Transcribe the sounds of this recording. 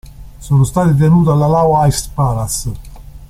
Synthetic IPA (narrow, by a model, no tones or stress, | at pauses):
sɔːnost̪aːt̪it̪̬enuːt̪alːalaːwaajst̪paːɾas